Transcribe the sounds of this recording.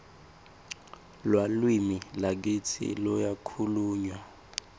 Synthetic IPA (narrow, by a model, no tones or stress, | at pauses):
lwalwimilak̬it͡sʰḭlɔjakʰuluːɲwa